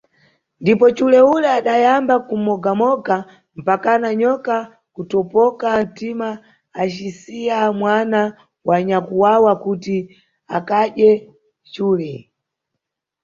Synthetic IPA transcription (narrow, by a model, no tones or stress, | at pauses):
ndipɔt͡ʃulɛulɛaɗajambakumɔɡamɔɡa | m̩pakanaɲɔka | kutɔpɔkan̩timaː | t͡ʃisijamwana | waɲakuwawakuti | a̰kaɗjɛ | t͡ʃuːlɛ